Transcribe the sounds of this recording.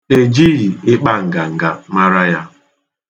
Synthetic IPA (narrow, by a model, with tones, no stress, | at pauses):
e˨d͡ʒi˦ɾi˨ɪ˦k͡pa˦ŋ̩˨ɡa˨ŋ̩˨ɡa˨ma˦ɾa˦ja˦